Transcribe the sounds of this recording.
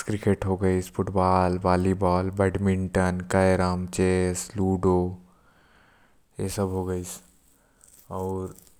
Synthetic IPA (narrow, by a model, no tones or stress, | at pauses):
kɾikeʈɦoɡəɪspʰuʈbaːlbaːlibɔːlbɛɖmiɳʈənkajɾəmt͡ʃesluɖo | jesəbɦoɡəɪsʰ | ɔːɾ